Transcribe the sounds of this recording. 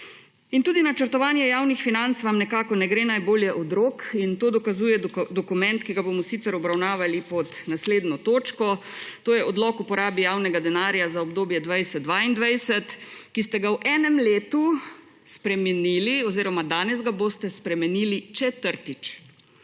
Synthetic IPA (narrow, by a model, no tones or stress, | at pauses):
int̪uːd̪inat͡ʃəɾt̪ɔʋaːnjɛjaːwnixfinant̪sʋamnɛkaːkɔnɛɡɾeːnajboːljɛʔɔd̪ɾoːkint̪oːd̪ɔkazuːjɛd̪ɔkumɛnt̪kiɡabomɔsiːt̪sɛɾɔbɾawnaːʋalipɔd̪nasleːd̪nɔt̪oːt͡ʃkɔt̪oːjɛʔɔd̪lɔkupɔɾaːbijaːwnɛɡad̪ɛnaːɾjazaɔbd̪oːbjɛd̪ʋajsɛd̪d̪ʋaind̪ʋajsɛt̪kist̪ɛɡawʔɛːnɛmleːt̪u | spɾɛmɛniːliɔziːɾɔmad̪aːnɛzɡaboːst̪ɛspɾɛmɛniːlit͡ʃɛt̪əɾt̪it͡ʃ